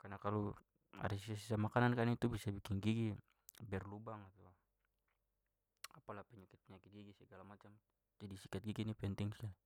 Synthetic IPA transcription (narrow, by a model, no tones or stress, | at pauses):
karnakalu | a̰ɾisisasisamakanankanit̪ubisabikiŋɡiɡi | bɛrlubaŋat̪ua | apalapɛɲakit̪̚pɛɲakit̪̚ɡiɡisɛɡalamat͡ʃam | d͡ʒadisikat̪̚ɡiɡinipɛnt̪ɛŋsi̥kali